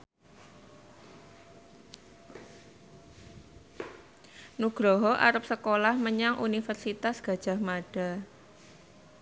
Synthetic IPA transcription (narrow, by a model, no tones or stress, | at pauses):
nuɡ̥ɾɔɦɔʔa̰ɾəp̚səkolahməɲaŋʔunifərsit̪asɡ̥ä̤d̥ʒ̥a̤hmaɖ̥a̤